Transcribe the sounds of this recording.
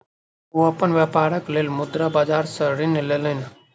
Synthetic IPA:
uɐpənʋjaːpaːɾəkleːlmʊd̪ɾabaːd͡ʒaːɾsəɾineleːlɦɪn

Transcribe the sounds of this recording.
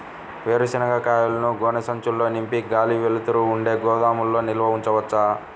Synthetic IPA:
ʋeːɾusinɐɡakaːjulɐnuɡɔːnɐsɐɲt͡ʃulːo̞ːnimpiɡaːliʋelut̪uɾuːɳɖe̞ːɡɔːd̪aːmulːo̞ːnilʋɐuɲt͡ʃɐʋɐt͡ʃːaː

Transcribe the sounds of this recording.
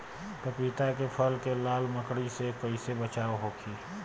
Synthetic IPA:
k̪əpiːt̪akepʰəlkelaːlməkɽisekəɪsebət͡ʃaːʋɦoːkʰiː

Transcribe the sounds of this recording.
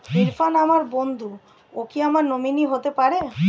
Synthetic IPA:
fiɾfanamaɾbond̪ʱu | okiamaɾnominiɦot̪epaɾe

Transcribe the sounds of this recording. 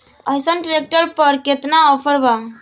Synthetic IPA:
əjsənʈɾek̚ʈəɾpəɾket̪naɔpʰəɾba

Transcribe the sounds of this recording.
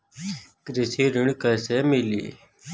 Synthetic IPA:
kɾɪsiːɾɪɳkəseːmɪlḭː

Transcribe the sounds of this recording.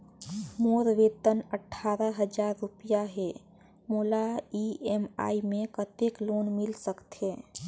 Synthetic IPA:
moːɾʋeːt̪ənəʈʰːaːɾəɦəd͡ʒaːɾːupijaɦɛ | moːlaiema̰ːimẽkət̪ekloːnmɪlsəkt̪ɦe

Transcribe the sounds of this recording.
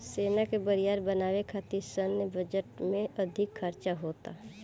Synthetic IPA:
seːnakebəɾijaːɾbənaːwekʰaːt̪isənːebəd͡ʒəʈmẽʔɐd̪ʱɪkʰːəɾt͡ʃaɦoːt̪a̰ː

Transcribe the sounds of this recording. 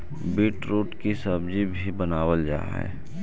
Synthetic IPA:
biːʈɾoːʈkisəbd͡ʒibʱibənaːwəld͡ʒa̰ːɦɛ̰ː

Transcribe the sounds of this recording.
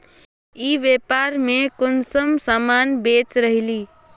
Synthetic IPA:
iːʋepaɾmekʊnsəmsamanbet͡ʃɾəɦiliː

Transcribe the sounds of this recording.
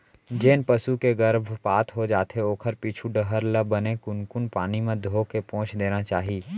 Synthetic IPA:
d͡ʒeːnpɐsukeɡəɾbʱpaːt̪ʰɦod͡ʒaːt̪ʰeoːkʰəɾpiːt͡ʃʰuɖəɦəɾləbənekʊnkʊnpaːnimẽd̪ʱoːkepɔ̃ːt͡ʃʰd̪eːnat͡ʃaːɦiː

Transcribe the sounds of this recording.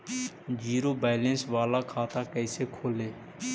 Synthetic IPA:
d͡ʒiːɾoːbaːlẽːnsʋaːlaːkʰaːt̪aːkɛːseːkʰoːleː

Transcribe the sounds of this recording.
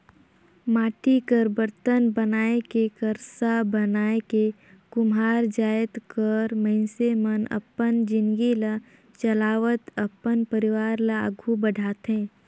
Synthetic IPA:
maːʈikəɾbəɾt̪ənbənaːekekəɾsabənaːeke | kʊmaːɾd͡ʒaːjət̪kəɾmə̃ɪ̃nsemənə̰pːənd͡ʒɪ̃nɡila | t͡ʃəlaːʋət̪əpːənpəɾɪʋaːɾlaə̰ɡʱubəɖʱaːt̪ɦɛ̃ː

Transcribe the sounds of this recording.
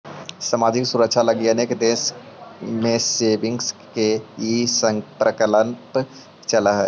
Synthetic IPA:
saːmaːd͡ʒɪksʊɾəkʃʰalɐɡjənekd̪eːʃ | mẽseːbɪ̃ŋɡskeisəŋpɾəkələ̃mp | t͡ʃɐlaɦɛ

